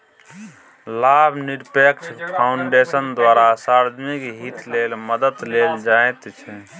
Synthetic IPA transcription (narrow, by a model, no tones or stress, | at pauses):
labʱniɾpekt͡ʃʰpʰaʊɳɖesənd̪waɾasaɾd̪ʱmikɦit̪lelməd̪əd̪leld͡ʒaet̪t͡ʃʰɛ